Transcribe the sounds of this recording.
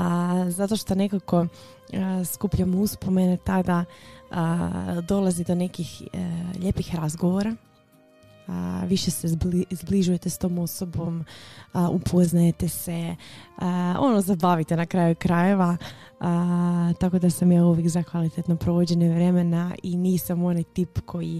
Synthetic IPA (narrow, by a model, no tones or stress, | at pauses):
əzat̪o̞ʃt̪o̞nekako̞ | skupʎamouspo̞menet̪ad̪aəd̪o̞lˠazid̪o̞ne̞kixʎepixɾazɡo̞ʋo̞ɾa | ʋiʃe̞sezbizbliʒuje̞t̪est̪o̞ːmo̞so̞bo̞m | ʔupʰo̞znaje̞t̪e̞se̞ | o̞̰nozabaʋit̪enakɾaːjukɾaje̞ʋa | ət̪ako̞d̪asamjaːuʋjekzakʋalit̪et̪no̞pɾo̞ʋod͡ʑe̞ɲeʋɾe̞me̞naʔiniːsamo̞najt̪iːpkʰo̞ji